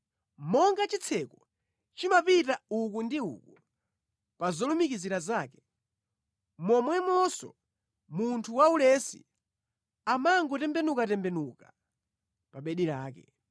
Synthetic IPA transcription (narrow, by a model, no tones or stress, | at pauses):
mɔŋɡat͡ʃit͡sʰɛkɔ | t͡ʃimapitaukundiṵku | pazɔlumikiziɾazaːkɛ̥ | mɔmwɛmɔsɔ̰ | muntʰuwaulɛsḭ | amaŋɡɔtɛmbɛnukatɛmbɛnuka | paɓɛɗiɾa̰ːkɛ̰